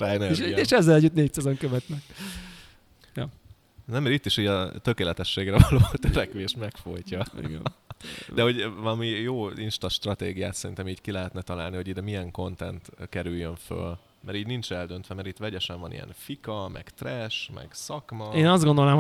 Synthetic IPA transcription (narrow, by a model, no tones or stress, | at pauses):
nʃeːʃɛzːɛlɛɟːut̪neːc̚t̪sazoŋkøvɛt̪nɛk | jɒ | nɛmːɛɾit̪ːiʃiːɟɒt̪ø̞keːlɛt̪ɛʃːeːɡrɛvɒloːt̪øɾɛkʋeːʃmɛkfojcɒḭɡɛ̰ | d̪ɛɦo̞ɟvɒlɒmijoːinʃt̪ɒʃt̪rɒt̪eːɡija̰ːt̪sɛɾint̪ɛmiːɟkilɛɦɛt̪nɛt̪ɒla̰ːlniho̞ɟid̪ɛmiɛŋko̞nt̪ɛ̰nt̪kɛɾyjːøɱfø̰l | mɛɾiːɟnint͡ʃɛld̪ønt̪ʋɛmɛɾit̪ʋɛɟɛʃɛɱvɒnḭjɛ̰nfikɒmɛ̰ɡt̪rɛʃmɛ̰ɡsɒkmɒeːnɒzd̪ɡo̞nd̪o̞laːm